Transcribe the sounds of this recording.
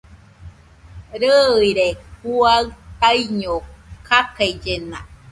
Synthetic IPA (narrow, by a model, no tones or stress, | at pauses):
ɾɯɯiɾek̚uaɯt̪aiɲokʰakaid͡ʒena